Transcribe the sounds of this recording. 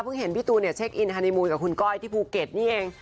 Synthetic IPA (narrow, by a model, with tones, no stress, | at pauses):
pʰɯ˥˩ŋɦe˨˩˦nwi˦˥t̪uː˧ni˥˩ɐt͡ɕʰe˦˥k̚ʔi˧ntʰaː˧ni˧muː˧nka˨˩kʰu˧nkɔː˥˩jt̪ʰiː˥˩pʰuː˧ke˨˩t̪̚niː˥˩ʔeː˧ŋ